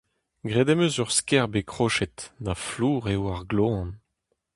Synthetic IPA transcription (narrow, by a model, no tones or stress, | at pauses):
ɡʁed̪ɛmøzyʁskɛʁbekχoʃɛt̪nafluːʁewaʁɡloɑ̃n